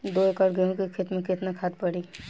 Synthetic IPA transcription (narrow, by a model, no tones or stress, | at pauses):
d̪oːekɐɽɡeõkikʰɪt̪mẽkɪt̪nakʰat̪̚pɐɽiː